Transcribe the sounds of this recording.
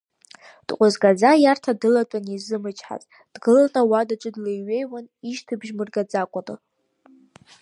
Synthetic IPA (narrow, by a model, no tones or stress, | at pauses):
d̥qʷʼazɡʼad͡zajartʰadɨlatʷʼanizɨmɨt͡ʃʰʼħa̰tʼ | d̥ɡɨlanawadat͡ʃʷʼɨdlejɥejwaniʃtʰɨbʒmɨrɡad͡zakʷʼatʼɨ